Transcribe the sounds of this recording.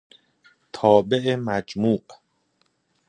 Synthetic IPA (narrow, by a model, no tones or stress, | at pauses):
t̪ʰɒːbeʔemæd͡ʒmuːʔ